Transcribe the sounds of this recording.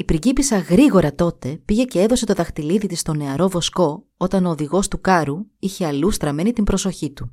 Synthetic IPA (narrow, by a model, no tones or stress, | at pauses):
ipɾiɟipisɐɣɾiɣo̞ɾɐt̪o̞t̪e̞piʝe̞ce̞e̞ðo̞se̞t̪o̞ðɐxt̪iliðit̪ist̪o̞ne̞ɐɾo̞vo̞sko̞ | o̞t̪ɐno̞ːðiɣo̞st̪ukɐɾuiçe̞ɐlust̪ɾɐme̞nit̪imbɾo̞so̞çit̪u